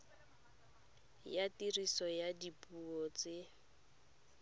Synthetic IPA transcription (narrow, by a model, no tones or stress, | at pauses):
jatirisɔjadipʼuɔt͡sɪ